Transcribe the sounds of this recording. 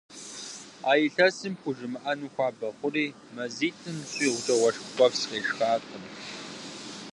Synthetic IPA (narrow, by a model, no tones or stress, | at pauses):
aːjɪɬɐsɨmxʷʊʒɨmɨʔɐnuxʷɑːbɐχʷʊriː | mɐziːtʰʼɨmɕʷʼiːʁʷʊɬʰɐʁʷɔʂkʷʊpʷʼɔfsqʼeːʂxaːqʰəm